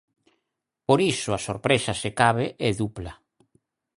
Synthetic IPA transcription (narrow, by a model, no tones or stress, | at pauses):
poɾisʊasoɾpɾesasekaβeʔɛðupla